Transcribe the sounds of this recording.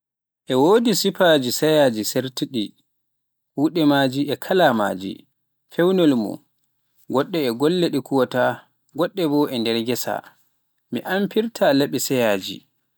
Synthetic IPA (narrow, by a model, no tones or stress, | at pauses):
ʔɛwoːdisipaːd͡ʒisɛjaːd͡ʒiseɾtiɗi | wuɗɛmad͡ʒiʔɛkʰalama̰ːd͡ʒḭ | fɛwnɔlmɔ̰ | ɡɔɗːɛɛɡɔlːeɗikuwɔta | ɡɔɗːɛbɔʔɛndɛɾɡɛsa̰ | mḭʔampiɾtʰalaɓisɛjaːd͡ʒḭ